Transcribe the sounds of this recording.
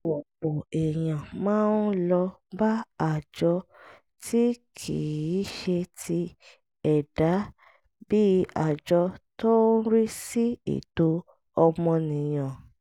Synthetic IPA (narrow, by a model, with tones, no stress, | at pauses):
o˨k͡po˨ɛ˨j̃ã˨mãː˦n˦lɔ˧ba˦a˨d͡ʒɔ˧ | tʰi˦kʰi˨i˨˦ʃe˧tʰi˧ | ɛ˨da˨˦ | bi˦a˨d͡ʒɔ˧to˦ɾi˦si˦ḛ˨to˨˦ | ɔ˧mɔ̃˧nĩ˨j̃ã˨